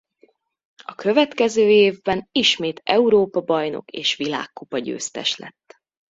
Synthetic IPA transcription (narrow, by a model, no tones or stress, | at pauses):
ɒkø̞vɛt̪kɛzøːeːvbɛniʃmeːt̪ɛuɾoːpɒbɒjno̞̰keːʃʋila̰ːkːupɒɟø̰ːst̪ɛ̰ʃlɛ̰t̪ː